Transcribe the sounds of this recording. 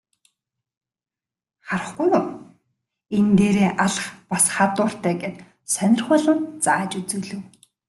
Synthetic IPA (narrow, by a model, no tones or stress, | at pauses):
χaɾə̆χɡujʊ | ent̪eːɾeːʔaɮə̆χpasχat̪ʊːr̥t̪æːɡet̪ | sœnʲɪ̆rχʊːɮə̆ntt͡saːt͡ɕut͡suːɮɵ̆w